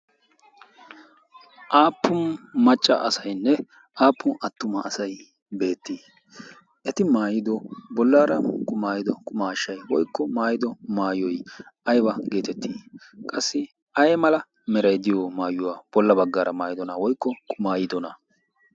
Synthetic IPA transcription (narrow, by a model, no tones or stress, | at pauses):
ʔaːpːʊnmɐt͡ʃʼːɐ̰ʔɐsɐjnːɛ | ʔaːpːʊnɐt̪ːʊmɐːsɐj | be̞ːt̪ːiː | ʔɛt̪ɪmaːjɪd̪ɔbɔlːaːɾɐkʼʊmaːjɪd̪ɔkʼʊmaːʃːɐjwɔjkːɔmaːjɪd̪ɔmaːjɔjʔɐjbɐɡe̞ːt̪ɛt̪ːiː | kʼɐsːɪ | ʔɐjɛmɐlɐ | mɛɾɐjd̪ɪjɔmaːjʊwaːb̥ɔlːɐbɐɡːaːɾʔɐmaːjɪd̪ɔnɐwɔjkːɔkʼʊmaːjɪd̪ɔnɐ